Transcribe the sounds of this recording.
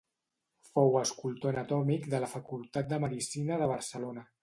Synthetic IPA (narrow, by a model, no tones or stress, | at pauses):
fowəskulˠt̪oənət̪ɔmikd̪ələfəkulˠt̪at̪̚d̪əməðisinəðəβ̞əɾsəlonə